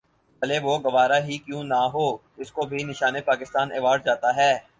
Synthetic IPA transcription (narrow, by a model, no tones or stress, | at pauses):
bɐleʋoɡɐʋaːɾaɦikjũnaɦoːd͡ʒɪskobʱinɪʃaːnepaːkɪst̪aːneːʋaːɖd͡ʒaːt̪aɦɛː